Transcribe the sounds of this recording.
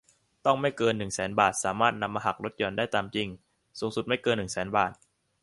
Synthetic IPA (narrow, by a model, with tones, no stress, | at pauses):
t̪ɔ˥˩ŋma˥˩jkɤː˧nːɯ˨˩ŋsɛː˩˦nbaː˨˩t̪̚saː˩˦maː˥˩t̪̚na˧mːaː˧ɦa˨˩k̚ɾo˦˥t̪̚jɔː˨˩˦ndaː˥˩jt̪aː˧mt͡ɕi˧˩ŋ | su˨˩˦ŋsu˨˩ma˥˩jkɤː˧nːɯ˨˩ŋsɛː˩˦nbaː˨˩t̪̚